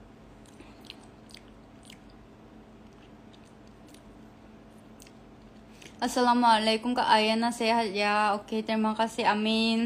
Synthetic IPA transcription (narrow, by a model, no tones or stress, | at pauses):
ʔasalamualajkʊmkaʔajanasɛɦat̪̚jaoket̪əɾimakasiamin